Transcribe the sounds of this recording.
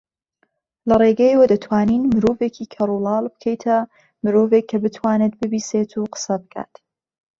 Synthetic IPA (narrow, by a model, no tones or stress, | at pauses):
lɐreɡɛjwɐd̪ɐt̪ʰwaːninmɨɾoːvekʰiːkʰɐɾulɑːlˠbɨ̥kʰɐjt̪ʰɐ | mɨɾoːvekʰːɐbɨt̪ʰwaːne̞t̪̚bɨbiːseːt̪ʰuqə̥sɐbɨkʰa̰ːt̪